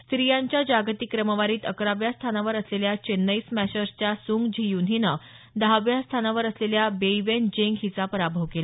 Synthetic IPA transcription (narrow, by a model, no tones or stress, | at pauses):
st̪ɾijaɲt͡ɕjad͡ʑaɡt̪ikɾəməʋaɾiːt̪əkɾaʋjast̪ʰanaʋəɾəsleljat͡ɕenːəismæɕəɾst͡ɕjasuŋɡd͡ʑʱijunɦinə | d̪aʋjast̪ʰanaʋəɾəsleljabeiʋend͡ʑeŋɡɦit͡sapəɾabʱəʋkela